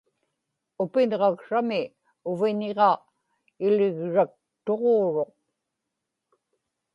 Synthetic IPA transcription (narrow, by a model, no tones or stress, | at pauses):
ʊpɪnʁɑkʂamɪ | ʊviɲeʁɑ | ɪlɪɣɻak̚t̪o̞ʁoːɻo̞q̚